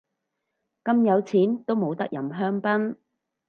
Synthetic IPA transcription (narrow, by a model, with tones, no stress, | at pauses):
kɐ˥mjɐ˨˧wt͡sʰiː˨˥nt̪o˥wmo˨˧wt̪ɐ˥k̚jɐ˨˩mɦœː˥ŋpɐ˥n